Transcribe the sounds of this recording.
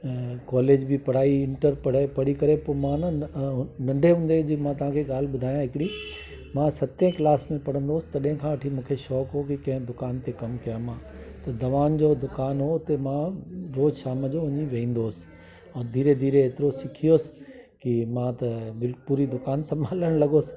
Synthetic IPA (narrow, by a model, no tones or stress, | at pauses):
kɔːleːd͡ʑbʱipɐɽ̤aːiɪ̃ɳʈəɾpɐɽ̤apɐɽ̤ikɐɾepoːmãnɐnɐ̃ɳɖʱeɦũːnd̪ed͡ʑimãt̪ɐʋ̤ãkʰeɠaːl̤ɓʊd̪ʱaːjãɦɪkɪɽi | mãsɐt̪ẽklaːsmẽpɐɽ̤ə̃nd̪oːsɪ̥t̪ɐɗɦɪ̃kʰãʋɐʈʰimũːkʰeʃɔːkɦokikɐ̃ɦɪ̃d̪ʊkaːnt̪ekɐmkɐjãmãːt̪ɐd̪ɐʋaːnd͡ʑod̪ʊkaːnɦot̪emãɾoːd͡ʑʃaːməd͡ʑoʊ̃ɲiʋɐ̃ĩːn̆d̪oːsɪ̥ | ɛ̃ːd̪ʱiːɾed̪ʱiːɾeeːt̪ɪɾosɪkʰijoːsɪ̥ | kimãt̪ɐbɪpuːɾid̪ʊkaːnsɐ̃mbʱaːləɽ̃lɐɠoːsɪ̥